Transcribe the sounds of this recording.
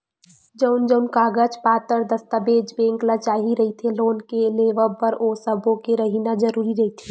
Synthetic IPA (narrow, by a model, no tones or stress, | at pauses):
d͡ʒəʊnd͡ʒəʊnkaːɡət͡ʃpaːt̪əɾd̪əst̪abeːd͡ʒbẽːŋklat͡ʃaːɦiɾɐɦit̪ʰeloːnkeleːʋəpəɾoːsəbʱõkeɾəɦinad͡ʒəɾuːɾiɾɐɦit̪ʰe